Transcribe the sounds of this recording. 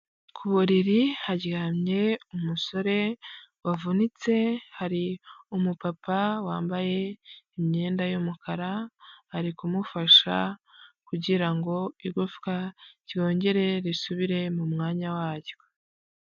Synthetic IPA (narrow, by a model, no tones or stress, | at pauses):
kʰuβuɾiɾihaɾɟɡaːmɲe̞umuso̞ɾe̞wavunit͡se̞haɾiumupapawaːmbaje̞imɲeːndajumukʰaɾaaɾikumufaʃa̰kuɟiɾaŋɡo̞iɡufkaɾjo̞ːɲɟe̞ɾe̞ɾisuβiɾe̞mumŋaːɲawaːɟo̥